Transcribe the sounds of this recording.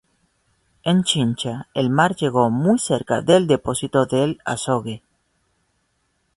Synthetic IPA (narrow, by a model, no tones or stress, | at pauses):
ent͡ʃint͡ʃaelmaɾʒe̞ɣo̞mujseɾka̰ðeld̪eposit̪o̞ðela̰soɣe